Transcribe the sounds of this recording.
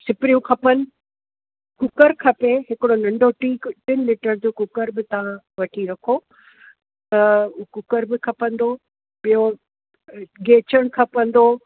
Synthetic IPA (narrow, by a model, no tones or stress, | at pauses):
sɪpɪɾijũkʰɐpənɪ̆ | kʊkəɾkʰɐpeɦɪkɪɽonɐ̃ɳɖʱoʈiːkʈɪnliːʈəɾd͡ʑoːkʊkəɾbɪt̪ɐʋ̤ã | ʋɐʈʰiɾɐkʰo | t̪ɐkʊkəɾbɪkʰɐpə̃nd̪oː | pijo | ɡeːt͡ɕəɽ̃kʰɐpə̃nd̪oː